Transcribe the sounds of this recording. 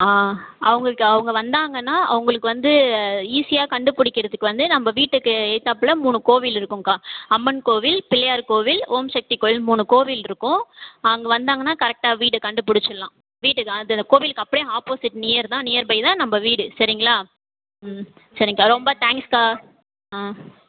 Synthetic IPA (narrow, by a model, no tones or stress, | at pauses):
aːɐʋɐŋɡɐɭkːɯɐʋɯŋɡɐʋɐnd̪aːŋɡɐnːaːʔɐ̰ʋɐŋɡɐɭɯkːɯʋɐnd̪ɯiːsɪjaːkɐɳɖɯpʊɽɪkːɪɾɐðɯkːɯʋɐnd̪ɯnɐmbɐʋiːʈːɯkːɯɛːt̪ːaːpːɯlɐmuːnɯkoːʋɪlɪɾɯkːɯ̃ŋkaːɐmːɐnkoːʋɪlpɪlɐjaːɾkoːʋɪloːmʃɐk̚ʈ̪ɪkoːmuːnɯkoːʋɪlɪɾɯkːʊ̃ɐʋɐŋɡɐʋɐnd̪aːŋɡɐnːaːkɐɾɛk̚ʈaːʋiːʈɯkɐɳɖɯpʊɽɪt͡ʃːɐlːãː | ʋiːʈːɯkːnðɐd̪ɐkoːʋɪlɯkːɐpːɐɽɪjẽaːpoːsɪʈːnɪjɐɾt̪ãːnɪjɐɾbɐɪðãːnɐmbɐʋiːɽɯsɐɾɪŋɡɐɭaː | sɐɾɪŋɡɐɭaːɾɔmbɐt̪aːŋkskaː | aː